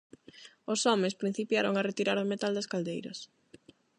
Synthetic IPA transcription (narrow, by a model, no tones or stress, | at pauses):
osɔmẽspɾin̟θipjaɾoŋɐret̪iɾaɾðomet̪ald̪ɐskald̪ejɾɐ̰s